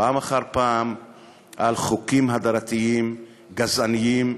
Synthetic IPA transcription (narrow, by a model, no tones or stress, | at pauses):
aːmaχaʁpaːm | ʔalχukimɦad̪aɾat̪iim | ɡazanijim